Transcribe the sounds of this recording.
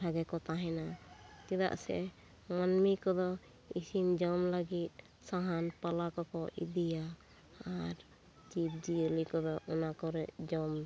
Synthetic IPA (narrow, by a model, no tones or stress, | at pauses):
ʈʰaɡɛkɔt̪aɦɛnat̪id̪a̰ʔsɛ̰ | manmikɔd̪ɔ | isind͡ʒɔmlaɡit̪̚ˀ | saɦanpalakɔkɔʔḭd̪ija | aɾ | d͡ʒip̚d͡ʒiəlikɔd̪ɔʔɔnakɔɾɛʔd͡ʒɔm